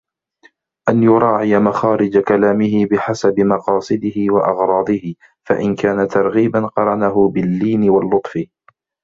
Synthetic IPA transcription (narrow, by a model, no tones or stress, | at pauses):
ʔanjʊɾˤɑːʕɪjamaxaːɾɪd͡ʒakalaːmɪɦɪbɪħasabɪmɑqɑːsˤɨd̪ɪhɪwaʔɑɣɾˤɑːd̪ˤɪhɪ | fa̰ʔɪnkaːnat̪ɑɾˤɣiːbanqɑɾˤɑnaɦʊbɪlːiːnɪwalːʊt̪ˤfɪ